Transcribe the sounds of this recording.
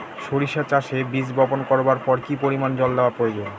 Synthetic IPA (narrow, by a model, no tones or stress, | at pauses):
ʃoɾiʃat͡ɕaʃebid͡ʑbɔponkɔɾbaɾpɔɾkipoɾimand͡ʑɔlːaapɾoed͡ʑon